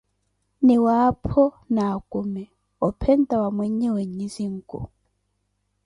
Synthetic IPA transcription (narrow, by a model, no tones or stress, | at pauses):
niwapʰɔ | naːkumɛ | ɔpʰɛntʼawamwɛɲɛwɛɲisiŋ̩kṵ